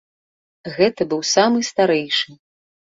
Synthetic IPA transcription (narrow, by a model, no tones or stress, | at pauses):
ɣɛt̪ɐbɨwsamɨst̪aɾɛjʂɨ